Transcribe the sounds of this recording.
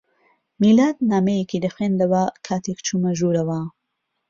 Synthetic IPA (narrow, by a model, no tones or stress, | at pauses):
milaːd̪naːmejekid̪ɐxweːnd̪ɐwɐkʰaːt̪ʰekt͡ʃʰuːmɐʒuːɾɐwɐ